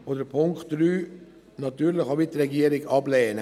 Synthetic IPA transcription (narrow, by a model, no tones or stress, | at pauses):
odəpʰʊŋktɾyː | nɑt̪yːɾlɪχaʋit̚t̪ɾɛɡiəɾɪɡɑblɛːnə